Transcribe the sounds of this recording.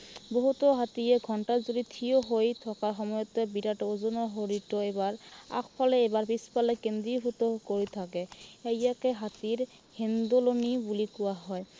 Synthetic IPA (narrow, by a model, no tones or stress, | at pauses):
boɦutɔɦatiɛɡʱɔntaɹzoditʰijoɦojt̪ʰɔkaɹxɔmɔjɔt̪ɛbiɾatɔuzɔnɔɹɦoɹitɔebaɹa̰kʰpʰalɛebaɹpispalɛkend̪ɹiɦut̪ɔkoɹit̪ʰakɛejjakɛɦat̪iɹ | hend̪olonibulikʊwaɦɔj